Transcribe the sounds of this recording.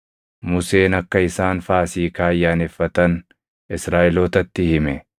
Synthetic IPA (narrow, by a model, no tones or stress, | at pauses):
mʊse̞ːnɐkːɐɪsaːnfaːsiːkaːjːaːnɛfːɐt̪ɐn | ɪsɾaːʔɪloːt̪ɐt̪ːɪhɪmɛ